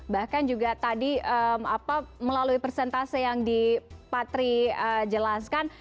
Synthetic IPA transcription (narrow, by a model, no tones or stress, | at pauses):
bahkand͡ʒuɡat̪adiəmapaməlaluipərsɛnt̪asijaŋdipat̪ɾiəd͡ʒəlaskan